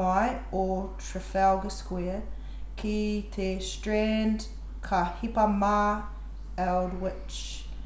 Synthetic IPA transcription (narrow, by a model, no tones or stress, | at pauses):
ajɔtʰɹ̥əfɛlɡəskwɛə | kʰitʰestɹɛnd | kʰahipama | ɛlˠdwɪ | t͡ʃ